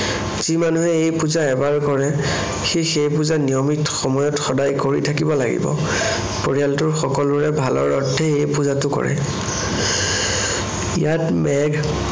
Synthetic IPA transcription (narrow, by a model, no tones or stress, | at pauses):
zimanuɦɛejpuzaɛbaɹkɔɹɛ | xixejpuzanijɔmitxɔmɔjɔtxɔdajkoɹḭtʰakibɔlaɡḭbɔ̰ | poɹijaltʊɹxɔkɔluɹɛbʱalɔ̰ɹɔ̰tʰːɛejpuzatʊkɔ̰ɹɛ̰ | ijatmɛɡ